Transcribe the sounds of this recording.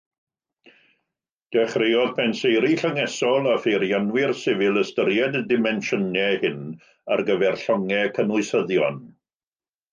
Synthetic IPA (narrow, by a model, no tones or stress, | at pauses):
d̥ɛχrejɔðpʰɛnsejɾiɬəŋɛsɔlˠafejɾjanwɪrsɪvɪlˠəstəɾjɛdədɪmɛnʃənɛhɪn | a̰rɡəvɛrɬɔŋɛkʰənʊɨsəðjɔn